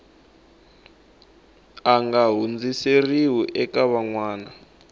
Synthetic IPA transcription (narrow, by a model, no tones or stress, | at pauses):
aŋɡaɦund͡ziseriwuʔɛkaβaŋwaːna